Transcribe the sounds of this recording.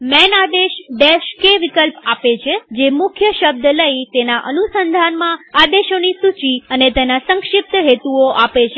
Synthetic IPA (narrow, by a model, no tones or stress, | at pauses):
mɛnad̪eʃɖeʃkeʋɪkəlpapet͡ʃʰed͡ʒemʊkʰjəʃəb̚d̪ələit̪enaʔənusənd̪ʱanmãad̪eʃonisut͡ʃiənet̪enasə̃ŋkʃɪp̚t̪ɦet̪uoʔapet͡ʃʰe